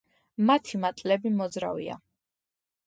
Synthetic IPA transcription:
mat̪ʰimat̪ʼlɛbimɔd̪zɾa̰vḭa̰

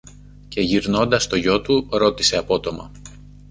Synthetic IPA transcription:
ce̞ʝiɾno̞nd̪ɐst̪o̞ʝo̞t̪uɾo̞t̪ise̞ɐpo̞t̪o̞mɐ̰

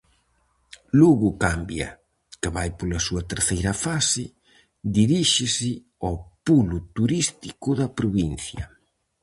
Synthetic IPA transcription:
luɣʊkambjɐ̰ | kɪβajpolɐsuɐt̪eɾθejɾɐfasɪ | d̪iɾiʃɪsɪ | opulʊt̪uɾist̪ikʊðɐpɾoβin̟θjɐ̰

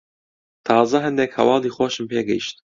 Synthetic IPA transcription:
t̪ʰɑːzɛɦɨnd̪ɛkhɛ̰wɑːliːxʷɔʃɨmpʰeːɡɛ̰ḭʃt̪

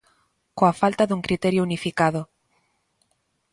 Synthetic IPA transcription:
koafalt̪aðuŋkɾit̪eɾjounifikaðʊ

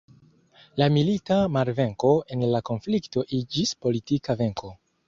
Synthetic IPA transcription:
lamilitamaɾve̞ŋko̞e̞nlako̞nflikto̞ʔid͡ʒispo̞litikave̞ŋko̞

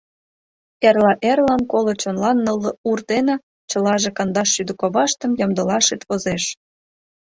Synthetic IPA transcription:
erlɑʔerlɑnkolŏt͡ɕonlɑnːə̆lːɤ̆urd̪enɑ | t͡ɕɤ̆lɑʒĕkɑnd̪ɑʃːyd̪ə̆koβɑʃt̪ə̆mjɑmd̪ə̆lɑʃet̪βozeʃ

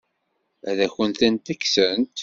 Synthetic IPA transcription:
æðæçənt̪ænt̪æksənt̪

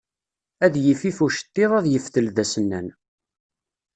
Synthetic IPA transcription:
æðjəfifuʃə̥t̪ːɪðˤæðjəfθəlðæsənːæ̰n

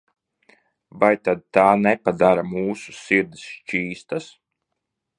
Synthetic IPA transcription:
vajt̪ad̪̚t̪aːnɛpad̪aɾamuːsu̥siɾd̪isʃt͡ʃiːst̪as

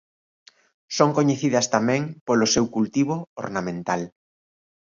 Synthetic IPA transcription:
soŋkoɲeθiðɐst̪amɛ̃ŋpolosewkult̪iβ̞oo̰ɾnamẽnt̪al

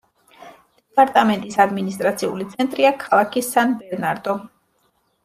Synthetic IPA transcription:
d̪̥ɛpʼaɾt̪ʼamɛnt̪ʼisad̪minist̪ʼɾat̪sʰiṵlit̪sʰɛnt̪ʼɾiakʰalˠakʰisanbɛɾnaɾd̪ɔ

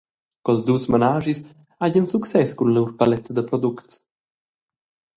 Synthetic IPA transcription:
kɔlzd̪usmanaʒis | aɟənsuksɛskunlɛwɾpalɛt̪d̪əpɾɔd̪ukts

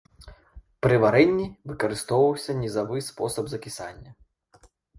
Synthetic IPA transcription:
pɾɨvaɾɛnʲːivɨkɐɾɨst̪ɔwvɐwsʲɐnʲizavɨspɔsɐbzɐkʲisa̰nʲːɐ

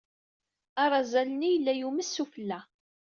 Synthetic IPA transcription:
aɾˤɑzælənijəlːæjuməsːufəlːæ

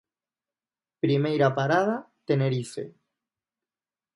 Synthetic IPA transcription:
pɾimejɾapaɾaða | t̪eneɾifḛ

